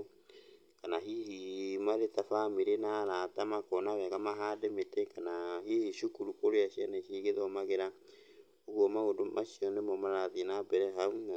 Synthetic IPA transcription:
kanaɦihimaɾetafamiɾenaɾatamakɔnaβɛɣamaɦademetɛkanaɦihiʃukuɾukoɾeaʃianeʃiɣeðɔmaɣeɾa | oɣwɔmaɣodomʔaʃiɔnemɔmaɾaðinabɛɾɛɦau

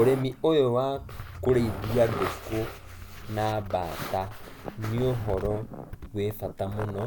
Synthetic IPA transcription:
oɾemiojowakoɾeiduadeko | naβaːta | nioɦɔɾɔβwefatamonɔ

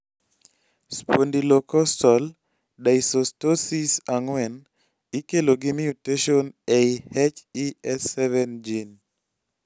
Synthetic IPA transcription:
spondilɔkɔstɔl | daisostosisaŋwɛn | ikeloɡɪmijuteʃonejhɛt͡ʃiɛsːɛvɛnd͡ʒin

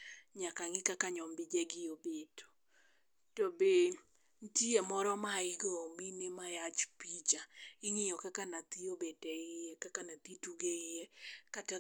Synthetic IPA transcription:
ɲakaŋɪkakaɲɔmbɪd͡ʒɛɡɪobeto̥ | tobe | ntiemɔɾɔmaiɡɔminemajat͡ʃpit͡ʃaiŋɪjɔkakanat̪iobetɛɪɛkakanat̪ituɡeɪjɛkata

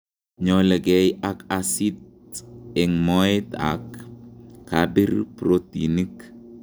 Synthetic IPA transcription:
ɲɔlɛɡɛjakasit̪̚ | ɛŋmɔɪt̪a̰kː | abiɾpɾot̪inik

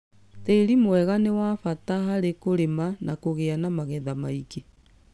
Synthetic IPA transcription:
teiɾimowɛɣanewafataɦaɾekoɾemanakoɣeanamaɣɛðamaike

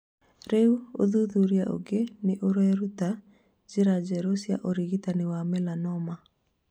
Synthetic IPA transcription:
ɾeuo̰ðuðuɾjaʔo̰ɡenɪʔoɾɛɾuta | d͡ʒiɾad͡ʒɛɾosja̰ʔoɾiɡitanɪwamɛlanɔma

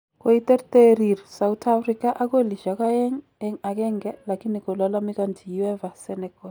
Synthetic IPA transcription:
kʼoit̪ɛrtʼeɾirsawutʰafrikaʔak̬weliʒakaɛŋ | ɛŋakɛŋɡɛlakʰinikɔlalamikantʰijuɛvasɛnɛkɔ

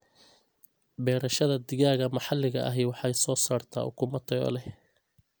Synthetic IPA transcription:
bɛːɾɐʃɐðɐd̪ɪɣaːɣɐmɑħɑlːɪɣɐʔɐ̰ɦɛjwɑħɑjsɔːsaːrt̪ʰa̰ːʔʊ̰kʰʊmɐt̪ʰɐɣɔ̰ːlɛh

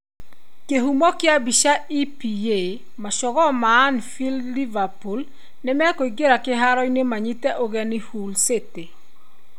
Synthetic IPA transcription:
keɦumɔkɪabiʃaipije | maʃɔɣɔmaːnfilːivapul | nɪmɛakoiɡeɾakɪɦaɾɔjnemaɲitɛʔoɣɛnɪhulsete

